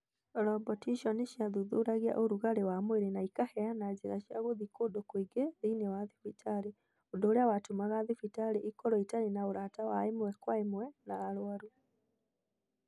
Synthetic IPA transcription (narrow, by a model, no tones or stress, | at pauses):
ɾɔbɔtiʃɔneʃjaðuðoɾaɣia̰ʔoɾuɣaɾewamweɾenaikahɛanad͡ʒeɾaʃjaɣoðikodokwiɡeðiinewaðifitʰaɾe | odoːɾeawatomaɣaðefitaɾeʔikɔɾɔitaɾenaoɾatawaemwɛkwaemwɛnaːɾwaɾu